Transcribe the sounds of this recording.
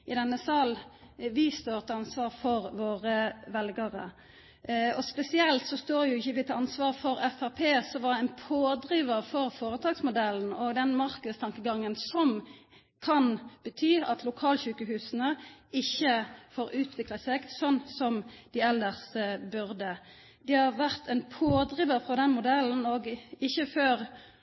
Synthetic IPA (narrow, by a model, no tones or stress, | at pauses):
ʔɪd̪ɛnːəsɑl | ʋɪst̪oːɾt̪ʰəɑnsʋɑːʁfɔʁʋoːʁəʋɛlɡəʁə̰ | ɔspɛsɪɛlt̪sɔst̪oːʁjʊɪçəʋɪt̪ʰɑɑnsʋɑːʁfɔɾɛfæʁpʰeːsɔʋɑd̪æɪnpʰoːd̪ɾiːʋəʁfɔɾfoːɾət̪ʰɑːɡsmʊd̪ɛln̩ɔɡd̪ɛnmɑɾkəd̪st̪ʰɑŋkəɡɑŋːənsɔm | kʰɑnb̥ət̪ʰyːɑ̰t̪ʰlʊkʰɑːlçʉːkəhʉːsənəɪçːəfoːɾʉːt̪ʰʋɪklɑseːɡsɔnːsɔmd̪ɪɛld̪əʁsbʉʁd̪ə | d̪̥ɛhɑʁʋæʁt̪ʰɛnpʰoːd̪ʁiːʋəʁfʁɔd̪ɛnmʊd̪ɛln̩ɔɡɪçəføːɾ